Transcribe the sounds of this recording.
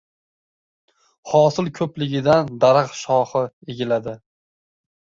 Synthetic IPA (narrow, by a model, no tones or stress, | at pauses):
hɒːsɪlˠkʰɵplɪɡʲɪd̪and̪aɾɨqʃɒhɨeɡʲɪlad̪ɪ